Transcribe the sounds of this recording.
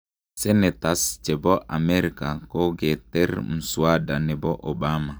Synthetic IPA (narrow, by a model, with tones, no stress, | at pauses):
sɛ˦nɛ˨tast͡ʃɛ˨bɔ˦ʔa˨mɛɾika˨kɔ˦ɡɛtɛ˦rm̩˨swada˨nɛ˨bɔ˦ʔobama˨